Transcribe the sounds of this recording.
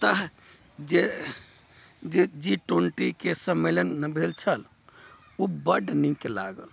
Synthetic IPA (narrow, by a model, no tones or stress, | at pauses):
t̪əɦ | d͡ʒe | d͡ʒed͡ʒiʈoɳʈikesəmelənːəbʱelt͡ʃʰəl | ubəɖnikela̰ɡəl